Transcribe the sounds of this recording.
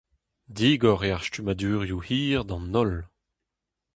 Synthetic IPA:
d̪iɡɔʁeaʁstymad̪yːʁjuhiːʁd̪ɑ̃nɔl

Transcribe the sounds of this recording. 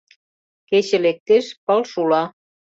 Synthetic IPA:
keɕĕlek̚t̪eʃpəlʃulɑ

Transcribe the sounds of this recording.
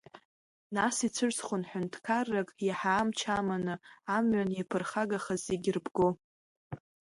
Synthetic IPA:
nasit͡sʷʰɨrsχʷʊnħʷᶣʊntʰkʰarːakʼjaħaːmt͡ʃʰamanɨamɥanjapʰɨrχaɡaχazeɡʲɪrbɡo

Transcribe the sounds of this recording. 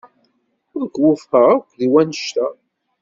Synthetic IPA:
ʊɾkwʊfħəʁakʷːðiwænəʃt̪æ

